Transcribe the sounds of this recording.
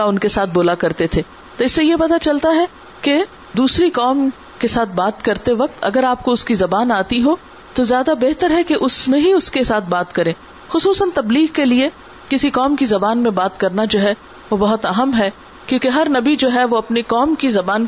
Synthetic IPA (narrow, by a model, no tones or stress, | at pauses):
aʊnkesaːt̪̚ʰboːlakɐɾt̪et̪ʰeː | t̪oɪsːejepɐt̪at͡ʃɐlt̪aɦɛ | ke | d̪uːsɾikɔːm | kesaːt̪̚ʰbaːt̪kɐɾt̪eʋɐk̚t̪ʰɐ̰ɡəɾaːp̚koʊskizɐbaːnaːt̪iɦo | t̪ozjaːd̪abɛɦt̪əɾɦɛkeʔʊsmẽɦiʊskesaːt̪̚ʰbaːt̪kɐɾẽː | xʊsuːsənt̪ɐbliːɣkelie | kɪsikɔːmkizɐbaːnmẽbaːt̪kɐɾnad͡ʒoːɦɛ | ʋobɐɦʊt̪ɐɦəmɦɛ | kjõːkeɦɐɾnɐbid͡ʒoːɦɛʋoɐpnekɔːmkizɐbaːn